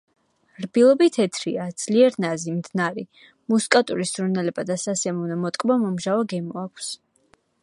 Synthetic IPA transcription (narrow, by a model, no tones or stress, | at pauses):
ɾbilˠɔbit̪ʰɛt̪ʰɾiad̪z̥liɛɾnazimd̪naɾi | muskʼat̪ʼuɾisz̥ɾunɛlɛbad̪asasɛmunɔmɔt̪ʼkʼbamɔmʒavaɡɛmɔakʷʰs